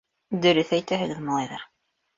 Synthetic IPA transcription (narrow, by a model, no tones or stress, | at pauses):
d̪ɵ̆ɾɵθæjt̪æɦɘ̆ɡɘðmɑlˠɑjðɑɾ